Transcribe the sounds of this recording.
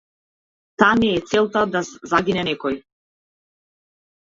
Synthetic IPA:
t̪anɛːt̪sɛlˠt̪ad̪azaɡinɛnɛkɔj

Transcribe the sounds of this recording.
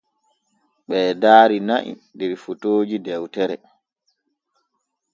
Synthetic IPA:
ɓɛːdaːɾina̰ʔḭdɛɾfutoːd͡ʒidɛwtɛɾɛ

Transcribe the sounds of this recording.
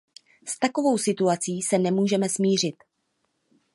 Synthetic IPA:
st̪ako̞vo̞wsɪt̪uat͡siːsɛnɛmuːʒɛmɛsmiːr̝ɪt̪

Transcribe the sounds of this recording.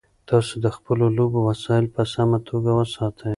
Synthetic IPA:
t̪ɑsod̪əxpəlolobowasɑɪlpəsamat̪ʰoɡawəsɑt̪ʰəj

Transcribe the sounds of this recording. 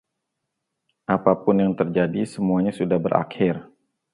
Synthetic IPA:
ʔapapʊnjaŋt̪ərd͡ʒadisəmuaɲasudahbəɾʔa̰kʰɪr

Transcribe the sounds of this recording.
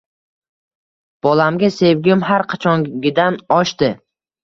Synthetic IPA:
b̥ɒlamɡʲase̞vɡʲɪmɦaɾqʰat͡ʃʰɒŋɡʲɪd̪anɒʃt̪ɪ

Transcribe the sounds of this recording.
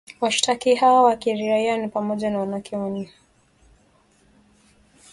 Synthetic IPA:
waʃi̥tʰakihawawakiɾiɾaianipamɔʄanawanakɛɔni

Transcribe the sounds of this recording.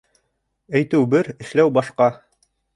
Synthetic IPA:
æjt̪ɘwbɘɾɘ̆ʃlæwbɑʃqɑ

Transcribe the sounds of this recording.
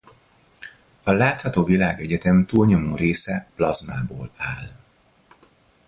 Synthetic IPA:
ɒlaːt̪hɒt̪oːvilaːɡɛɟɛt̪ɛmt̪uːlɲo̞moːreːsɛplɒzmaːboːlaːl

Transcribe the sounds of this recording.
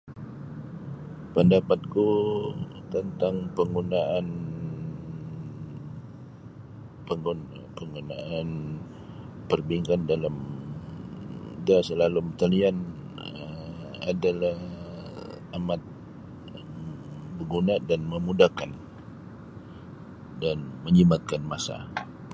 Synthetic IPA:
pəndapat̪̚ku | t̪ənt̪aŋpəŋɡunaʔan | pəŋun | pəŋɡunaan | pərbiŋkandalam | dasəlalumt̪alian | əm | adalah | amat̪̚ | bəɡunadanməmudakan | danməɲimat̪̚kanmasa̰

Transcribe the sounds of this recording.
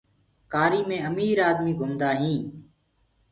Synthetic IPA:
kaːɾiːmẽːəmiːɾaːd̪miːɡʱʊmd̪aːɦĩː

